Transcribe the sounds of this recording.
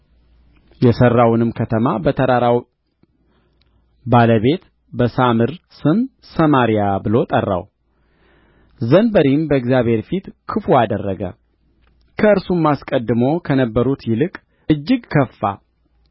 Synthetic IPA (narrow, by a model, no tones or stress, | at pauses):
jɛsərːawnɨmkʰət̪ʰəmabət̪ʰəɾaɾaw | baləβe̞t̪ | bəsamɨɾsɨm | səmaɾijabɨlo̞t̪ʼərːa̰w | zənbəɾimbəɨɡzjaβhe̞ɾfit̪kʰɨfuad̪ərːəɡə̰ | kʰəɨɾsumːaskʼəd̪ːɨmo̞kʰənəbːəɾut̪jɪlɨkʼ | ɨd͡ʒːɪɡkʰəfːa̰